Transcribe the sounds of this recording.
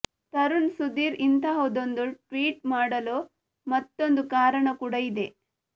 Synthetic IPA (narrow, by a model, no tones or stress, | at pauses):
t̪ɐɾuɳsud̪iːɾint̪aɦoːd̪ond̪uʈʋiːʈmaːɽɐlo | mɐt̪ːo̞nd̪ukaːɾɐɳɐkuːɽɐid̪e